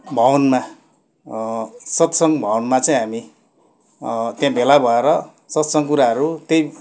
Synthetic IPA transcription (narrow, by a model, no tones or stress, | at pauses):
bʱʌwʌnma | sʌt̪sʌŋbʱʌwʌnmat͡saĩɦami | t̪jãbʱelabʱʌeɾʌ | sʌt̪sʌŋkuɾaɦʌɾut̪jej